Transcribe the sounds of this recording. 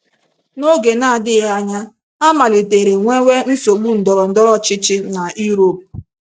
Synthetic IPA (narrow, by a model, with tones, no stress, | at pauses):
no˦ɡe˨na˨dɪ˦ɣa˦ɲa˦ | a˦ma˨le˨te˨ɾe˨ŋʷe˦wʷe˦n̩˦so˨ɡ͡bu˦n̩˨dɔ˨ɾɔ˨n̩˨dɔ˦ɾɔ˦t͡ʃɪ˦t͡ʃɪ˦na˨i˦ɾo˦˨p̚